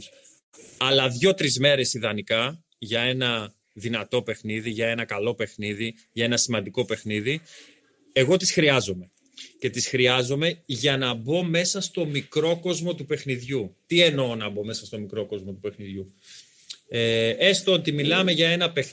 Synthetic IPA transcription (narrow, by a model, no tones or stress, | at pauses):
ɐlɐðʝo̞t̪ɾizme̞ɾe̞siðɐnikɐ | ʝɐe̞nɐ | ðinɐt̪o̞pe̞xniðiʝɐe̞nɐkɐlo̞pe̞xniði | ʝɐe̞nɐsimɐnd̪iko̞pe̞xniði | e̞ɣo̞t̪isxɾiɐzo̞me̞ | ce̞t̪isxɾiɐzo̞me̞ʝɐnɐbo̞me̞sɐst̪o̞mikɾo̞ko̞zmo̞t̪upe̞xniðʝut̪ienoonɐbo̞me̞sɐst̪o̞mikɾo̞ko̞zmo̞t̪upe̞xniðʝu | eest̪oot̪imilɐmeʝɐe̞nɐpe